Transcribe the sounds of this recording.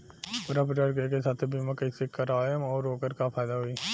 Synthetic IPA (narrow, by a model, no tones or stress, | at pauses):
pʊːɾap̬əʈaɖkekesaːt̪ʰbiːmãkəisekːəɾaɔːɾoːkəɾkapʰaːɪd̪aɦoiː